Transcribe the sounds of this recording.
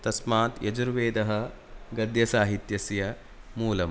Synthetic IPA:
t̪ɐsmaːt̪jɐd͡ʒuɾʋeːd̪ɐɦɐ̆ | ɡɐd̪jɐsaːɦit̪jɐsjɐ | muːlɐm

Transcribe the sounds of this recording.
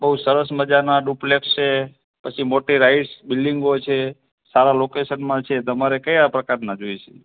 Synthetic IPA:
bəɦusəɾəsməd͡ʒanaɖuplekst͡ʃe | pət͡ʃʰimoʈiɾaiʈsbilɖiŋɡot͡ʃʰe | saɾalokesənmãt͡ʃʰet̪əmaɾekəjapɾəkaɾnad͡ʒojʃḛ

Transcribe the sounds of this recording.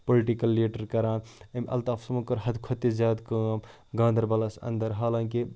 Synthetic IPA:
poliʈikɐlːeːʈəɾkɐɾaːnemʔɐ̰lt̪aːfʰsɐmukɐɾɦɐd̪kʰot̪izjaːd̪kɐm | ɡãːnd̪ɐɾbɐlɐsɐ̰nd̪əɾɦaːlãːŋki

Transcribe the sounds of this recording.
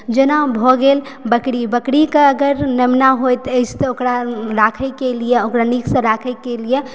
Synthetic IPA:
d͡ʒenabʱɔɡel | bəkɽibəkɽikẽəɡəɾnəmnaɦojt̪əɪt͡ʃʰt̪okɾaɾakʰəjkelijeokɾanikʰsə̃ɾakʰəkelije

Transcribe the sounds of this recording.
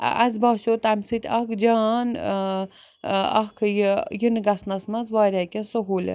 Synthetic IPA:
ɐ̰z̬baːsoːt̪ɐmʲsɨt̪ʲɐkd͡ʒaːn | ɐkʰjijinɡɐsnɐsmɐzʋaːɾʲakʲɐnsoɦoːlʲḛn

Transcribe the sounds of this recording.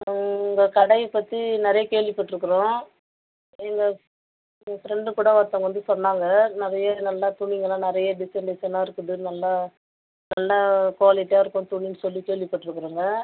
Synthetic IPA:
ŋɡɐkɐɽɐɪpːɐt̪ːinɪɾɐjɐkeːɭʋɪpːɐʈːɪɾɯkːɯɾõː | ɛŋɡɐ | fɾɛɳɖɯpʊɽɐʋɐːɾt̪ːãːŋɡɐʋɐnd̪ɯsɔnːaːŋɡɐnɪɾɐjɐnɐlːat̪ʊɳɪŋɡɐlãːnɪɾɐjɐɖɪsɐɳɖɪsɐnaːɪɾɯkːɯðɯnɐlːa | nɐlːakʋaːlɪʈːjaːɪɾɯkːʊ̃t̪ʊɳːinɯsɔlːikeːɭʋɪpːɐʈːɪɾɯkːɯɾuːŋɡɐ

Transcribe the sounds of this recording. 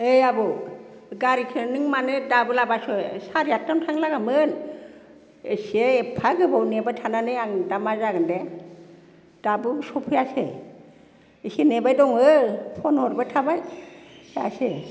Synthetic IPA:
ejabɔ | ɡaɾikʰɯnɯŋmanɯdabɯlabasɔjsaɾijatːantʰaŋlaɡamɯn | eseːpʰaɡɯbɔwnebatʰananɯjaŋdamazaɡɯnde | d̥abɯsɔpʰɯjasḛ | isenebajdɔŋɯpʰɔnɔɾbɯtʰabaj | a̰se

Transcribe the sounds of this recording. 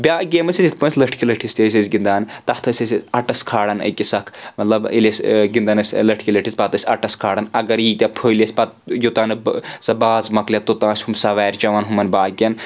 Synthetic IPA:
bʲaːɡʲeːmɐsizit̪ʰʲpɐ̃nsʲlɐʈʰkilɐʈʰist̪ʲɐs̬ʲɐsʲɡind̪aːnt̪ɐht̪ʰɐsʲɐsʲɐʈɐskʰaːɽɐnɐ̰kʲisɐkʰmɐt̪lɐbḭlʲesʲɡind̪ɐnɐsʲlɐʈʰkilɐʈʰispɐt̪ɐsʲɐʈɐskʰaːɽɐnɐɡɐɾjiːt̪ʲɐpʰoːlʲesʲpɐt̪jot̪aːnɨsɐbaːzmɐklʲɐt̪ːot̪ãːsʲhumsɐʋaːɾʲt͡ʃɐʋɐnɦumɐnbaːɡʲɐn

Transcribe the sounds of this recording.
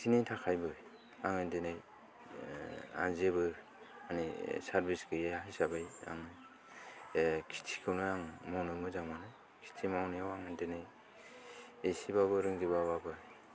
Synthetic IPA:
tʰinijtʰakʰajbɯj | aŋɯndɯnɯj | a̰zebɯ | anisaɾbiskɯjaaɦajsabɯja̰ŋɯ | kʰi̥tʰi̥kʰɯwnɯaŋmawnɯmɯzamanɯ | kʰi̥tʰimawnijawaŋɯndɯnɯj | esibabɯɾɯŋzibababɯ

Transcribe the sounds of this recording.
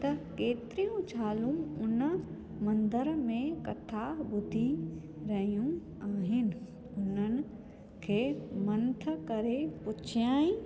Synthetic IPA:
t̪ɐkeːt̪ɾijũt͡ʃʰaːlũʊn | mɐ̃nd̪əɾmẽkɐt̪ʰabʊd̪ʱi | ɾɐɦijũ | aːɦɪnɪ̆ | ʊnənɪ̆ | kʰeːmɐ̃nt̪ʰəkɐɾepʊt͡ʃʰjaːĩ

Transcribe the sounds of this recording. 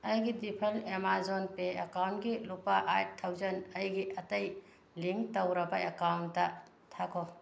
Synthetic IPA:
ɐjɡidipʰɐlemazonpeekawntɡilupaʔajt̚tʰːɐwzɐnɐjɡiʔɐtɐj | liŋktɐwɾɐbɐekawntːɐ | tʰakʰo

